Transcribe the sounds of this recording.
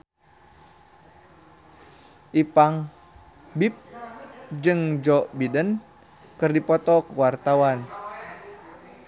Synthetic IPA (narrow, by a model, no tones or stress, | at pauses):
ʔipaŋ | bip̚ | d͡ʒɨŋd͡ʒɔʔbidən | kɨrdipɔt̪ɔkəwart̪awan